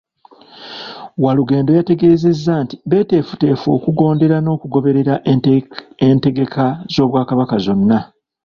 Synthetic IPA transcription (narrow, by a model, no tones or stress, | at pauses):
waluɡe̞ːndo̞jate̞ɡe̞ːze̞zːaːnti̥βe̞ːte̞fu̥te̞ːfo̞̰ːkuɡo̞ːnde̞ɾano̞ːkuɡo̞βe̞ɾe̞ɾa | ente̞ɡe̞kʰaz̥o̞ːβwaːkaβakazo̞nːa